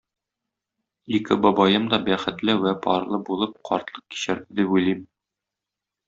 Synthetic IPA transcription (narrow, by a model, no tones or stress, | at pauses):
ikɘbɒbɑjɤmd̪ɒbæχɘ̆t̪lɘwæpɒɾlˠɤbulˠɤp̚qʰɒ̰ɾt̪lˠɤq̚ki̥ɕæɾd̪ɘd̪ipujlim